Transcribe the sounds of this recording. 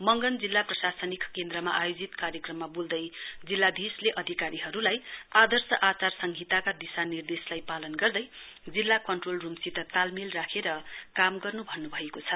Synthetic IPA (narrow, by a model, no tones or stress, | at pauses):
mʌŋɡʌnd͡zilːaprʌsasʌnikkend̪ɾʌma̰ʔajod͡zit̪kaɾjʌkrʌmːabuld̪ʌjd͡zilːad̪ʱisleʔʌd̪ʱikaɾiɦʌɾulajad̪ʌrsʌʔat͡sarsʌŋɡʱit̪akad̪isanird̪eslajpalʌnɡʌrd̪ʌj | d͡zilːakʌnʈrolrumsit̪ʌt̪almilrakʰeɾʌkamɡʌrnubʱʌnːubʱʌekot͡sʰʌ